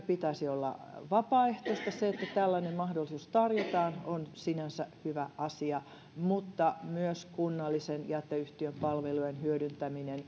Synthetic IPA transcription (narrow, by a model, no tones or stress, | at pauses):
pit̪æisiolːɑ̰ʋɑpɑːeht̪oist̪ɑseet̪ːæt̪ælːænemmɑhdolːisuːst̪ɑrjot̪ɑːnonsinænsæhyʋæʔɑsiɑ | mut̪ːɑmyøskunːɑlːisenjæt̪ːeyht̪iømpɑlʋelujenhyøɾynt̪æminen